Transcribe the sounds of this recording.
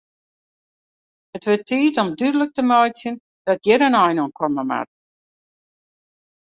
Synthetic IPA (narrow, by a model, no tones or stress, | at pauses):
ətʋɪtːiːtɔmdydələk̚təmɔjsjən | d̥ɔt̚jɪɾənɔjnoənkʰɔməma̰t̚